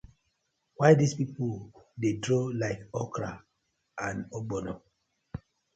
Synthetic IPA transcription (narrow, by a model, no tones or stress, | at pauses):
waɪdispipudedɹolaɪkɔkɾa̰ | ãnobɔnɔ̃